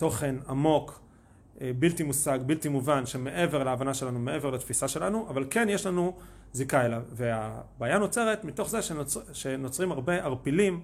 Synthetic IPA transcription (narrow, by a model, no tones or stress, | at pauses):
to̞χe̞namo̞k | biltimusaɡbiltimuvanʃeme̞ʔe̞ve̞ʁlaaːvanaʃe̞lanumeʔe̞ve̞ʁlat̪fisaʃe̞lanuʔavalke̞njeʃlanu | zikaelavveabaːjano̞t͡se̞ʁe̞tmito̞χzeʃeʃeno̞t͡sʁimaʁbe̞aʁpilim